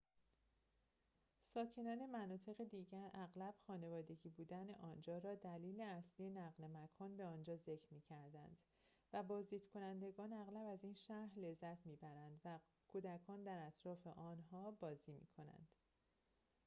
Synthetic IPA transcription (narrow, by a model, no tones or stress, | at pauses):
sɒːcʰe̞nɒːne̞mænɒːt̪ʰe̞ɣed̪iːɟæɾæɣlæb̥xɒːne̞vɒːd̪e̞ɟiːbuːd̪æneʔɒːnd͡ʒɒːɾɒːd̪æliːle̞æsliːjenæɣle̞mækʰɒːnbe̞ɒːnd͡ʒɒːze̞cʰɾmiːcʰæɾd̪ænd̪̥ | væbɒːzd̪iːd̪̥kʰo̞nænd̪e̞ɡɒːnæɣlæbæzinʃæhɾle̞zːæt̪ʰmiːbæɾænd̪væ | kʰuːd̪ækʰɒːnd̪æɾæt̪ʰɾɒːfe̞ʔɒːnɦɒːbɒːziːmḭːkʰo̞næ̰nd̪̥